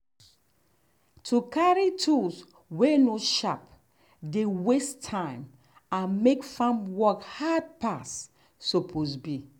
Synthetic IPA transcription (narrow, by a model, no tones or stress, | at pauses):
tʰukaɹitʰuls | wenoʃap | dewestʰãɪ̃m | ãnmekfãmwɔkhad̚pasː | ɔpʰosbi